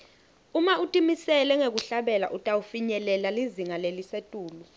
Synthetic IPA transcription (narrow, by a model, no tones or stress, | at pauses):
umautʼimisɛlɛŋek̬uɬaɓɛla̰ʔutʼaufiɲɛlɛlaliziŋalelisetʼuːlu